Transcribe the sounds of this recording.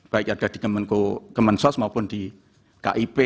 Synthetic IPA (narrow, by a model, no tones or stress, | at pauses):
b̥aɪk̚aɡ̥ad̪̥i̤kəmənkokəmənsɔsmaupʊnd̪̥i | ka̰ʔipe